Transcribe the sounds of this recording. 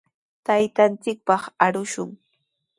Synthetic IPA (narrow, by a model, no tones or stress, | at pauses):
t̪ajt̪ant͡sɪk̚pɑχaɾʊʃʊŋ